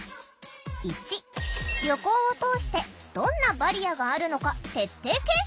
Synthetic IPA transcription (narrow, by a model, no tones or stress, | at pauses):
it͡ɕiɾʲjo̞ko̞ːot̪o̞ːɕi̥t̪e̞d̪̥õ̞nːabaɾʲijaɡaːɾɯ̟no̞kat̪e̞t̪ːe̞ːkẽ